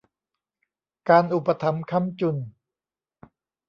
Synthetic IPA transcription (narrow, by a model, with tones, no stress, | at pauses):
kaː˧nʔu˨˩pːa˧t̪ʰa˧˥mkʰa˥˨mt͡ɕu˨˧˩n